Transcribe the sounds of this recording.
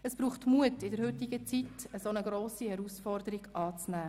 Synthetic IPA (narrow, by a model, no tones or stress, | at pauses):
əsb̥ɾuːχtmuətɪdəɾhʏtɪɡ̥ət͡sitəsoːnəɡɾoːsihɛɾusfɔrdəɾiɡ̥ɑːt͡snæː